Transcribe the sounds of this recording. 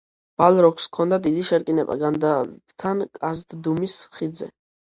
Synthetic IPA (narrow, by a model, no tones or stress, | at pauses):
b̥alˠɾɔkʰskʰɔnd̪ad̪id̪iʃɛɾkʼinɛba̰ɡand̪ḁt̪ʰankʼazd̪d̪umisχid̪zɛ̰